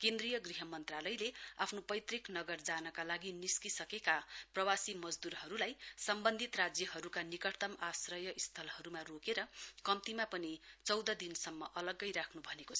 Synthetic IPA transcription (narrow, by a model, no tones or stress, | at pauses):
kend̪rijʌɡriɦʌmʌnt̪ralʌjlea̰pʰnopʌjt̪riknʌɡʌrd͡zanʌkalaɡiniskisʌkekaprʌwasimʌd͡zd̪uɾɦʌɾulajsʌmbʌnd̪ʱit̪rad͡zjʌɦʌɾukanikʌʈt̪ʌmasrʌjʌʔist̪ʰʌlhʌɾumarokeɾʌkʌmt̪imapʌnit͡sʌwd̪ʌd̪insʌmːʌʔʌlʌɡʌjɾakʰnubʱʌnekoʌ